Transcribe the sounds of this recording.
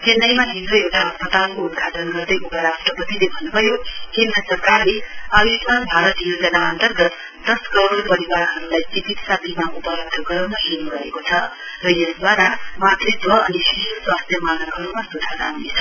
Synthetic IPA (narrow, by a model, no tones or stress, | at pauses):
kenʌjmaɦilɾʌjewʈaɦʌspʌt̪alkout̪kʰaʈʌnɡʌrd̪ʌjʔupʌɾasʈʌpʌt̪ilebʱʌnːubʱʌjohilɾʌsʌrkarleawisanbʱaɾʌt̪jod͡zʌnaʌnt̪ʌrɡʌt̪ | d̪ʌskʌɾoɾpʌɾiwaɾɦʌɾulajd͡zibit̪sat̪ʰimaʔupʌɾʌɡ̚d̪ʱʌɡʌɾanaɦilɾʌekot͡sʰʌ | rʌjʌsd̪waɾamat̪rʌd̪wʌʌnisisswast̪ʰjʌmaɡʌkɦʌɾumasud̪ʱaɾa̰ɦunet͡sʰʌ̥